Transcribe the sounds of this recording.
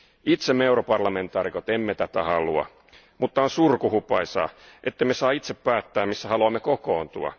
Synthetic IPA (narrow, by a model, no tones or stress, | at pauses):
it̪semːeuɾopɑrlɑme̞nt̪ˑɑːɾikot̪emːet̪æt̪æhɑluɑ̰ | mut̪ːɑonsurkuhupɑisɑ̰ːʔet̪ːemesɑːit̪seppæːt̪ːæːmmisːæhɑluɑmːekokoːnt̪ṵɑ̰